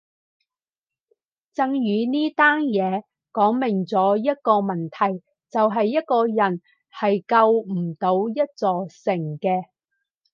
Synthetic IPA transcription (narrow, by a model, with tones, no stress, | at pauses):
t͡sɐ˧ŋjyː˨˧niː˥t̪aː˥njɛː˨˧ | kɔː˨˥ŋmɪ˨˩ŋt͡sɔː˨˥jɐ˥t̚kɔː˧mɐ˨˩nt̪ʰɐ˨˩j | t͡sɐ˨wɦɐ˨jːɐ˥t̚kɔː˧jɐ˨˩n | hɐ˨jkɐ˧wm̩˨˩t̪o˨˧wjɐ˥t̚t͡sɔː˨sɪ˨˩ŋkɛː˧